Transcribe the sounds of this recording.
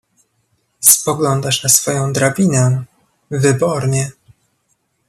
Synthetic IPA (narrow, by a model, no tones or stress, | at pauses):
spɔɡlɔnd̪aʂnasfɔjɔ̃w̃d̪ɾabʲinɛ | vɘbɔɾɲɛ